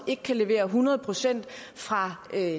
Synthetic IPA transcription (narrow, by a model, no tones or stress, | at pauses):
e̝ɡ̥əkʰæle̝ʋe̝̰ːɐɦunɐð̞̩ˠpʰʁo̝sen̰d̥ | fʁɑ̈